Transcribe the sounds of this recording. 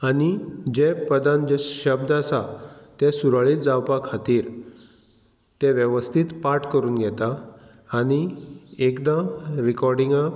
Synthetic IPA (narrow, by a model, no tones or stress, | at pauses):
aɽ̃id͡ʑepəd̪ãnd͡ʑɛɕəb̚d̪asat̪ɛsuɾaɭit̪d͡zawpakʰat̪iːɾ | t̪ɛ̃ʋjəʋəst̪ʰit̪paɾʈkəɾuːnɡʱɛt̪aː | ñiekd̪ãɾikɔɾɖiŋɡa